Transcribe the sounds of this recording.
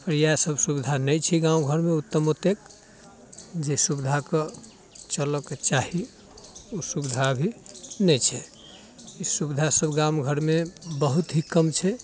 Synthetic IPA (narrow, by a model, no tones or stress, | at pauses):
pəɾjasəbsubid̪ʱanəjt͡ʃʰiɡãũɡʱəɾmeut̪ːəmot̪ek | d͡ʒesubid̪ʱake | t͡ʃəlɔket͡ʃaɦi | usubid̪ʱaəbʱinɛt͡ʃʰɛ | isubid̪ʱasəbɡamɡʱəɾmebəɦut̪ɦikəmt͡ʃʰɛ